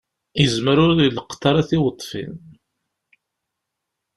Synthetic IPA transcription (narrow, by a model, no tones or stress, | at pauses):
jəzməɾʊɾilqt̪ːɑɾˤaθiwət̪ˤːfḭn